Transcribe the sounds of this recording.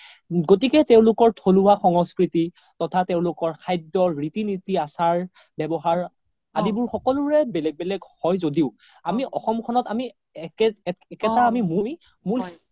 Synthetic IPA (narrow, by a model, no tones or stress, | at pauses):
ɡotikɛteʊ̃lʊkɔɹtʰolʊwaxɔŋɔskɹiti | tɔtʰateʊ̃lʊkɔɹkʰajdɔɹːitinitiasaɹ | bɛbɔɦaɹ | a̰dibʊɹxɔkɔlʊɹɛbɛlɛɡ̚bɛlɛɡhɔjzodiʊ | amiʔɔxɔmkʰɔnɔtami | ɛkɛtaamimumi | mul